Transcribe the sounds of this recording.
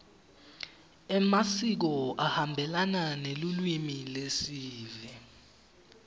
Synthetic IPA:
ɛmasik̬ɔʔahambʱɛlananelulwimilesiːvi

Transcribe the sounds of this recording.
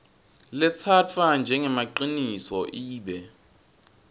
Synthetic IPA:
lɪt͡sʰat͡fʰand͡ʒʱɛŋɛmaǃinisɔʔiːɓɛ

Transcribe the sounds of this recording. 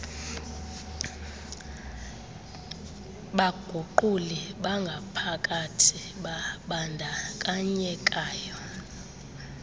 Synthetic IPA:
ɓaɡ̥ʱuǃuliɓaŋɡʱapʰakʼatʰi | ɓaɓandʱakʼaɲɛkʼaːjɔ

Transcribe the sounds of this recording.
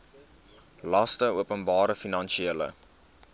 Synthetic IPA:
lɐstəuəpənbɑːɾəfinɐnʃieələ̰

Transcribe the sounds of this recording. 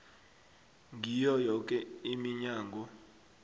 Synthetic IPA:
ŋʱijɔjɔk̬ʼɛimiɲaːŋɡʱɔ

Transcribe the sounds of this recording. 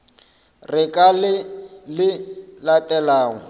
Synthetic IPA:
rɪkʼalɪlɪlatʼɛlaːŋɔ

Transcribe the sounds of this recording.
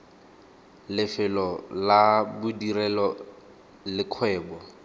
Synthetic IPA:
lɪfɪlɔlabʊdirɛlɔ | lɪkʰwɛːbɔ

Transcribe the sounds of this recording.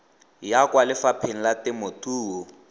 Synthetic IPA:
jakwalɪfapʰen̩latɪmotuːɔ

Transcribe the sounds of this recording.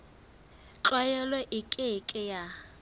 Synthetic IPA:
t͡ɬwɛjɛlwɛʔikʼɪkʼɪja

